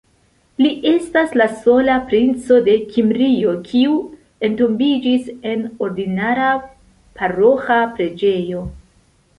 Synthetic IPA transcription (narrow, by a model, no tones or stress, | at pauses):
liʔe̞staslaso̞lapɾint͡so̞de̞kʰimɾio̞kʰiu | e̞ntombid͡ʒise̞no̞ɾdinaɾa | paɾo̞xapɾe̞d͡ʒe̞jo̞